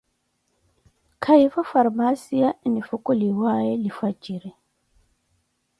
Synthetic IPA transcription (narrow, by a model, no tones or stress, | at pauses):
kʰaifafaɾmasianifukuliwajɛlifat͡ʃʼiɾɛ